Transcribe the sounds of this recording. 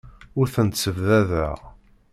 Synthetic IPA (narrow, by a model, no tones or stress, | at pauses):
ʊɾθənt̪səvðæðæ̰